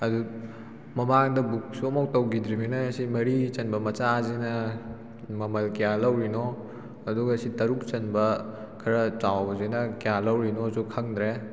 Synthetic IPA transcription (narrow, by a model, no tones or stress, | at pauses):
ɐdu | mɐmaŋdɐbuk̚suɐmowtɐwɡid̪ɾiminɐːsimɐɾit͡ʃɐnbɐmɐt͡ʃazinɐ | mɐmɐlkijalɐwɾino | ɐduɡɐːsitɐɾuk̚t͡ʃɐnbɐ | kʰɐɾɐt͡ʃawzinɐkijalɐwɾinosukʰɐŋdɾe